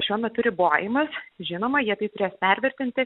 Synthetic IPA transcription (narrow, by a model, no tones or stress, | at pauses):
ʃʲuɔmʲɛt̪ʊɾʲɪboːjɪmɐsʒʲɪnoːmɐjiɛt̪ɐɪt̪ʊɾʲeːspʲɛɾʲʋʲɪɾʲt̪ʲɪnʲt̪ʲɪ